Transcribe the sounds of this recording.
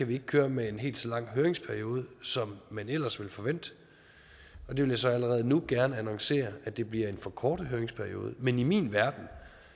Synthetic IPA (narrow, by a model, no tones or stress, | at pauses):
æʋie̝ɡ̥ə̥kʰøːɐmeenɦe̝̰ːld̥sɒlɑ̈ŋ̰ɦøːɐeŋspʰæɐio̝ːð̞ˠəsɒ̽mːænel̰ɐsʋe̝lfɒ̽ʋen̰d̥ | ɒ̽d̥e̝ʋe̝ljasɒ̽æləʁɛːð̞̩ˠənuɡ̥æɐnəænɒ̽ŋse̝̰ːɐæd̥e̝b̥liɐe̝nfɒ̽kʰɒːɾ̥əɦøːɐeŋspʰæɐio̝ːð̞ˠəmenimḭːnʋæɐd̥n̩